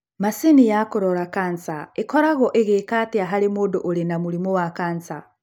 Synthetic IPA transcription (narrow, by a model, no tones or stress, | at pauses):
masinijakuɾolakant͡sa̰ekoɾaɣɔʔeɣekatiaɦalemodoʔolinamulimowakant͡sa